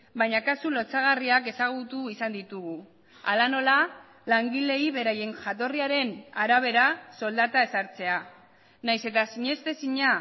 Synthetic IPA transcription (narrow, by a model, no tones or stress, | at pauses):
bajɲakasulo̞t͡saɣ̞ariake̞saɣ̞ut̪uisand̪it̪uɣu | a̰lano̞la | laŋɡile̞iβe̞ɾaje̞ŋʝat̪̬o̞riaɾe̞naɾaβ̞e̞ɾaso̞ld̪at̪ae̞saɾt͡se̞a | najse̞t̪asiɲe̞st̪e̞siɲa